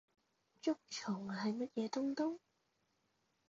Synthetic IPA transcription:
t͡ʃʊ˥k̚t͡ʃʰʊ˨˩ŋhɐ˨jmɐ˥t̚jɛː˨˧t̪ʊ˥ŋt̪ʊ˥w

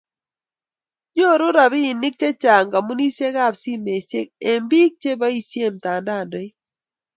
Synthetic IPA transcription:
ɲo˦˨ɾʊ˦ɾa˨biː˦˨nɪ˦k̚t͡ʃe˦t͡ʃa˨ŋɡa˨mu˦ni˦se˦ka˦˨bsi˦me˨t͡ʃe˦k̚e˨mbi˦k̚t͡ʃe˦ba˦i˦sje˦˨mta˨nda˦˨ndɔ˨˦i˦

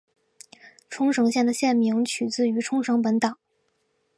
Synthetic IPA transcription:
ʈ͡ʂʰʊ˥ŋʂɤ˧˥ŋɕjɛ˥˩nd̪ə˩ɕjɛ˥˩nmi˧˥ŋt͡ɕʰy˨˩t͡sɹ̩˥˩y˧˥ʈ͡ʂʰʊ˥ŋʂɤ˧˥ŋp̬ə˧˥nt̪ɑ˨˩˦

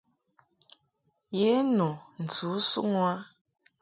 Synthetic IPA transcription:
je˨˦nu˨n̩˨tu˨˦su˦ŋwa˦

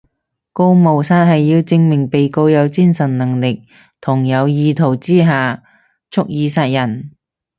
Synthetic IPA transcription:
ko˧wmo˨˩wsaː˧t̚ɦɐ˨jːiː˧wt͡sɪ˧ŋmɪ˨˩ŋpe˨jko˧wjɐ˨˧wt͡siː˥nsɐ˨˩nnɐ˨˩ŋlɪ˨k̚ | t̪ʰʊ˨˩ŋjɐ˨˧wjiː˨˧t̪ʰo˨˩wt͡siː˥ɦaː˨ | t͡sʰʊ˥k̚jiː˨˧saː˧t̚jɐ˨˩n

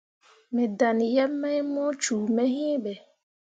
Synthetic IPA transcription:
mɛ˨da˨n˨jɛ˦mːɛ˦jmɔ˦t͡ʃu˨mɛ˦ɦĩ˦bɛ˨

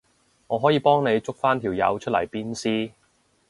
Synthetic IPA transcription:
ŋɔː˨˧ɦɔː˨˥jiː˨˧pɔː˥ŋne˨˧jt͡sʊ˥k̚faː˥nt̪ʰiː˨˩wjɐ̰˨˧wt͡ʃʰɵ˥t̚lɐ̰˨˩jpiː˥nsiː˥

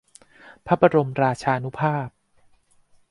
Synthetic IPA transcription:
pʰa˦˥pa˧ɾo˧mɾaː˧t͡ɕʰaː˧nu˦˥pʰaː˥˩p̚

